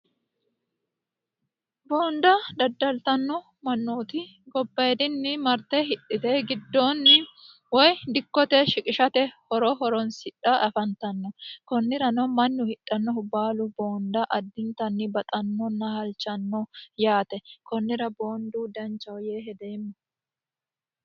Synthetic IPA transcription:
boːnd̪ɐd̪ɐd̪ːɐlt̪ɐnːɔ | mɐnːoːt̪ɪ | ɡɔbːɐjɛd̪ɪnːɪmɐɾt̪ɛɦɪɗːɪt̪ɛɡɪd̪ːɔnː | wɔjd̪ɪkːɔt̪ɛʃɪkʼɪʃɐt̪ɛhɔɾɔɦɔɾɔnsɪᶑɐʔɐfɐnt̪ɐnːɔkɔnːɪɾɐnɐmɐnːʊhɪɗːɐnːɔhʊbaːlʊbo̞ːnd̪ɐʔɐd̪ːɪnt̪ɐnːɪbɐt̪ʼɐnːɔnːɐhɐlt͡ʃːɐnːɔjaːt̪ɛkɔnːɪɾɐboːnd̪uːd̪ɐnt͡ʃːɐwjeːɦɛd̪ɛmɐ

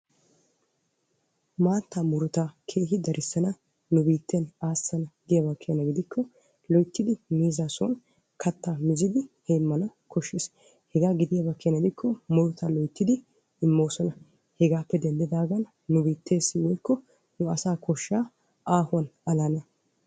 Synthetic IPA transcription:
maːt̪ːamʊɾʊt̪akʰe̞ːɦɪd̪ɐɾʔɪsːɐnɐ | nʊbiːt̪ʰːenaːsɐnɐɡɪd̪ɪjɐbɐkʰːejɐnɐɡɪd̪ɪkːɔ | lɔjt̪ːɪd̪ɪmiːzasɔ̰n | kʰɐt̪ːaːmɪzɪd̪ɪhɛːmːɐnɐkʰɔʃːeːs | hɛɡaːɡɪd̪ɪjabɐkːɛjɐnɐɡɪd̪ɪkʰːɔmʊɾʊt̪ʰɐlɔjt̪ːɪd̪ɪ | ɪmːoːsɔnɐ | hɛɡaːpːɛd̪ɛnd̪ɛd̪aːɡɐnː | ʊbiːt̪ʰːe̞ːsːɪwɔjkːɔ | nʊɐsaːkʰɔʃːaː | aːhʊɐnɐlanɐ

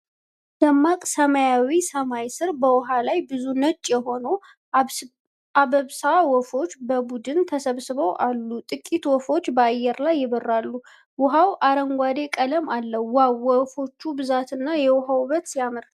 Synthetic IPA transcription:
d̪̥əmːakʼsəmajawisəmajsɨɾbəwɔɦalajbɨzunət͡ʃʼːjɛɦo̞no | aβəβsawɔfo̞t͡ʃːbəbud̪ɨnt̪ʰəsəβsɨβəwʔalːut̪ʼɨkʼːit̪wɔfo̞t͡ʃːbəajːɛɾlajːɪbərːalːu | wʊɦawʔaɾəŋɡʷad̪e̞kʼələmalːəːawwɔfo̞t͡ʃːubɨzat̪ɨnːajɛwʊɦawβət̪sijamɨɾ

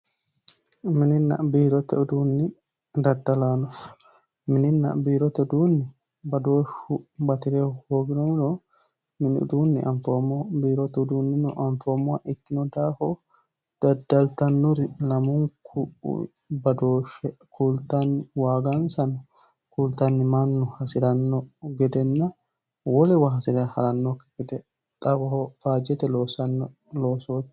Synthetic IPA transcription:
mininːa̰biːɾɔt̪ɛd̪unːi | dadːalanɔf | mininːa̰biɾɔt̪ɛdunːi | badoʃubat̪iɾɛhoːɡinɔnɔ | minḭdunːḭʔanfɔmɔbiːɾɔt̪ɔdunːinɔʔanfɔmɔaʔikːinɔdahɔ | d̪̥ɐd̪ɐlt̪ɐnːʊɾɪlɐmʊŋk | bɐd̪oːʃɛkʰuːlt̪anɪwaːɡansɐnɐ | kuːlt̪anːɪmaːnːʊhɐsɪɾɐnːoɡɛd̪ɛnːa | wɔlɛwɐɦɐsɪdɐhɐɾɐnːokɡɛd̪ɛ | t̪ʼɐbɐhofaːd͡ʒɛt̪ɛlosɐnː | loːsoːt̪

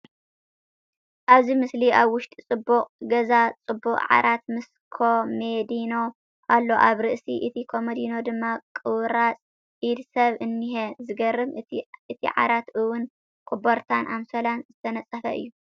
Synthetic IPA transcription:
ʔaβzimɨsliʔaβwʊʃt̪ʼit͡sʼɨbːuqʼɡɐzat͡sʼɨbːuqʼʕa̰ɾʔat̪mɨs | kʰomed̪ino̞ | ʔalːo̞ʔaβɾɨʔsḭʔɨt̪ʰikʰo̞med̪ino̞d̪ɨmːakʼɨwɾat͡sʼ | ʕid̪sɐβɨnːihezɨɡɐɾːɨmɨt̪ʰḭʕa̰ɾat̪ʔɨwʊn | kʼuboɾt̪ʰanʔamsolanzɨt̪ʰɐnɐt͡sʼːɐfɐʔɨ̰jːu

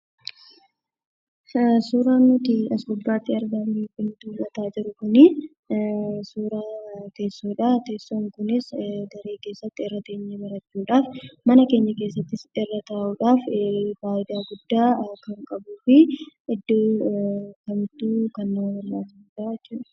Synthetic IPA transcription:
suːɾaːnːʊt̪ɪɐsoːbːaːt̪ːɪɐɾɡɐmiːfʼɪnt̪ulɐt̪aːd͡ʒɪɾʊkʊnɪ | suːɾaːt̪e̞ːsːoːᶑaːt̪e̞ːsːoːŋkʊnɪsɡɐɾeːke̞ːsːɐt̪ːɪɛrːɐt̪eːɲːebɐɾɐt͡ʃːuːᶑaːfmɐnɐke̞ːɲːɐke̞ːsːɐt̪ːɪsɛrːɐt̪aːʔuːᶑaːffaːʔɪd̪aːɡʊd̪ːaːkɐŋkʼɐbuːfɪɪd̪ːoː | kɐmɪt̪ːuːkɐnːɐwɐlːaːsɪsuᶑaːɪt͡ʃːuːᶑɐ̥

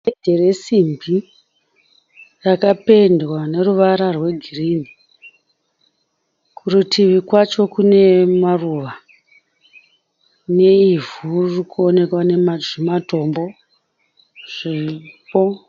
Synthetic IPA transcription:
edʱere̞simbʱi | rakape̞ndwane̞ruʋaɾarwe̞ɡʱirimi | kʰurutiʋikwat͡ʃo̞kune̞maruːʋa | ne̞ivurrikuone̞kwane̞maimato̞mbo̞ | ʐ̥epo

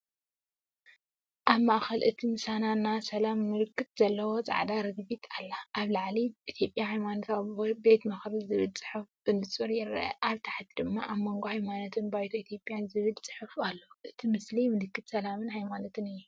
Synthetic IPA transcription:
ʔaβmaʔxɐlʔɨt̪ʰimɨsananːasɐlamːɨlɨkːɨt̪z̥ɐlːɐwo̞t͡sʼa̰ʕd̪aɾɨɡbit̪ʰalːaʔaβlaʕliʔit̪ʰjo̞pʼjahajmanot̪ʰabe̞t̪mɐxɾɨzɨβɨlt͡sʼɨ̥ħɨf | ɨnd̪ɨt͡sʼuɾjɪɾɐ̰ɐ̰ʔaβt̪ʰḁħt̪ʰd̪ɨmːaʔaβmoŋɡohajmanot̪ʰɨnbajt̪ʰoit̪ʰjo̞pʼjanzɨβɨlt͡sʼɨ̥ħɨfalːoʔɨt̪ʰimɨslimɨlɨkːɨt̪sɐlamɨnhajmanot̪ɨnɨjːu

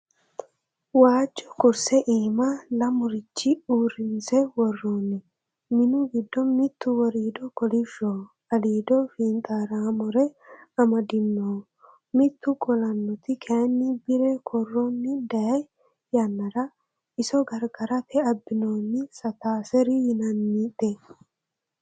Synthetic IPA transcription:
waːt͡ʃʼːɔ̥kʊɾsɛʔiːmɐlɐmʊɾɪt͡ʃːɪuːrɪnsɛwɔrːonːɪ | mɪnʊɡɪd̪ːɔmɪt̪ːʊwɔɾiːd̪ɔkɔlɪʃːo | ɐliːd̪ɔfiːnt̪ʼaːɾaːmɔɾɛɐmɐd̪ɪnːoː | mɪt̪ːʊɡɔlɐnːɔt̪ɪkʰɛnːɪbɪɾɛkʰɔrːɔnːɪd̪ɐjɐj | jɐnːɐɾɐ | ɪsɔɡɐɾɡɐɾɐt̪ʰɛɐbːɪnoːnːɪsɐt̪aːsɛɾɪjɪnɐnːit̪ːɛ

